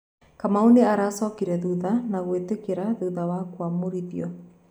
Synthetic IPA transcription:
kamaoneaɾasɔːkiɾɛðuðanaɣwetekeɾaðuðawakwamoɾiðjɔ

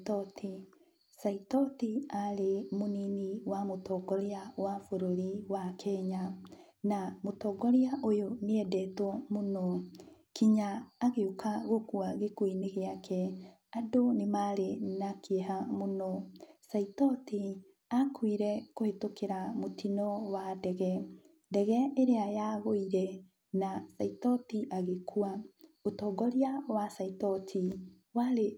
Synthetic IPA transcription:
tɔti | saitɔtiaɾemoniniwamotɔːɡɔɾeawafoɾoɾiwakʰɛɲa | namotɔːɡɔɾeaʔojoneɛdɛtwɔmonɔkiɲaːɣeukaɣokuaɣekwineɣeakʰɛ | adonemaɾenakeɦamonɔsaitɔti | akwiɾɛkohetokeɾamotinɔwadɛɣɛ | dɛɣɛeɾeajaɣoiɾɛ | nasaitɔtiʔaɣekʰuaotɔːɡɔɾiawasaitɔtʰi | waɾe

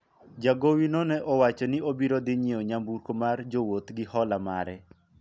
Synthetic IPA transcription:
d͡ʒaɡowinɔnɛʔɔwat͡ʃɔnɪobiɾod̪ɪɲioɲambuɾkomard͡ʒowot̪ɡɪhɔlama̰ɾɛ

